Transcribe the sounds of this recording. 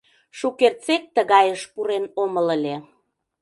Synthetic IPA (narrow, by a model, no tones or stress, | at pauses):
ʃukert͡sek̚t̪əɣɑjəʃpuɾenomələlʲe